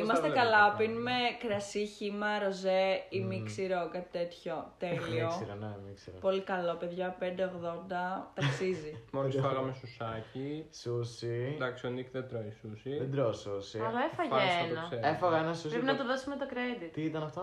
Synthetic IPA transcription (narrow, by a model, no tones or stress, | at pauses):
imɐst̪ekɐlɐopinmekɾɐsiçimɐɾo̞zeimiksiɾokɐt̪i̥t̪e̞t̪ço̞t̪eliosiɾonemiksiɾopo̞likɐlo̞pe̞ðʝɐpend̪eoɣðo̞nd̪ɐt̪ɐksizimolisfɐɣɐmesusɐcisusid̪ɐksionikt̪ed̪ɾoisusied̪ɾosusiɐlɐefɐʝfseɐnoɐkseɾefɐɣɐenɐsuɾepinɐt̪oðosumet̪okɾed̪it̪iit̪ɐnɐft̪o